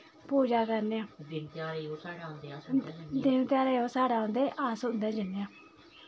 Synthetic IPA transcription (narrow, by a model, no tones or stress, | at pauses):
poːd͡ʒaːkəɾneãːd̪ɪnt̪aːɾeosaːɽãnd̪ed̪ɪnt̪jaːɾeːoːsaːɽaːõːnd̪eːʔaːsʊnd̪aːd͡ʒənejãː